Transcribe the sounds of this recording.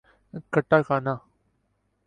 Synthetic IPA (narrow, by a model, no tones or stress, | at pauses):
kəʈːakaːna